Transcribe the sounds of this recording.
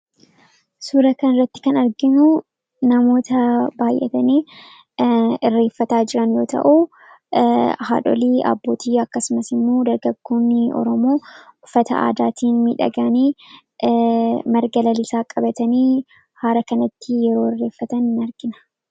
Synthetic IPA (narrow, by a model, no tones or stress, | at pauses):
suːɾɐkɐnɪrːɐt̪ːɪ̥kɐnɐɾɡɪnʊ | nɐmo̞ːt̪ɐbaːjʔɛ̰t̪ɐniː | ɪrːe̞ːfːɐt̪aːd͡ʒɪɾɐnjo̞ːt̪ɐ̰ʔu | ha̰ːᶑɔ̰liːʔɐ̰bːo̞ːt̪ʰiːɐkːɐsʊmɐsɪmːoːd̪ɐɾɡɐɡːo̞ːnːɪɔ̰ɾɔmoːʊfːɐt̪ɐ̰ʔa̰ːd̪aːt̪ʰiːnmiːᶑɐ̰ɡɐniː | mɐɾɡɐlɐlɪsaːkʼɐbɐt̪ɐniː | haːɾɐkɐnɐt̪ːɪjɛɾo̞ːɪrːe̞ːfːɐt̪ɐnɪnɐɾɡɪnɐ̥